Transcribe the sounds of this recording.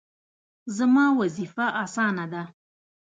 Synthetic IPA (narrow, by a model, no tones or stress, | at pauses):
zamɑwazifaʔasɑnad̪a